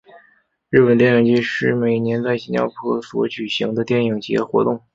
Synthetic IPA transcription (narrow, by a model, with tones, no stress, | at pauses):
ɻɻ̩˥˩pə˨˩nt̪jɛ˥˧ni˨˩ŋt͡ɕjɛ˥ʂɻ̩˥˩me˨˩ɪnjɛ˧˥nt͡sa˥˩ɪi˥nt͡ɕjɑ̰˥ʊpʰɤ˥swɔ˧˥t͡ɕy˨˩ɕi˧˥ŋd̪ə˧t̪jɛ˥˩ni˨˩ŋt͡ɕi˧˥xwɔ̰˧˥t̪ʊ˥˩ŋ